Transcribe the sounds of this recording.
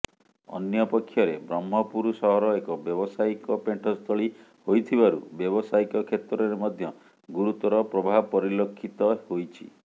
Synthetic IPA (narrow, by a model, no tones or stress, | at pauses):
ɔ̰njɔpɔkʰːjɔɾebɾɔmːɦɔpuɾusɔɦɔɾɔekɔbjɔbɔsaikɔpeɳʈʰɔst̪ʰɔɭi | hojt̪ʰibaɾṵbjɔbɔsaikɔkʰet̪ɾɔɾemɔd̪ʱjɔ | ɡuɾut̪ɔɾɔpɾɔbʱaɦpɔɾilokʰːit̪ɔhojt͡ʃʰḭ